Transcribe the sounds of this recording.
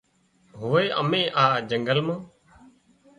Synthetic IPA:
ɦoːeːʔə̰mẽːʔaːd͡ʒəŋɡəlmãː

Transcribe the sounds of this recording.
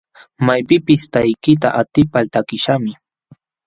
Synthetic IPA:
majpɪpɪst̪ajkɪt̪a̰ʔat̪ɪpalt̪akɪʃamɪ

